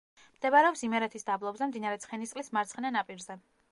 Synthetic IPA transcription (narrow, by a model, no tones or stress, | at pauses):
md̪̥ɛvaɾɛɔpsimɛɾɛt̪ʰisd̪ablˠɔbzɛmd̪inaɾɛt̪sʰχɛnist̪qʼlismaɾt̪sʰχɛnanapʼiɾzɛ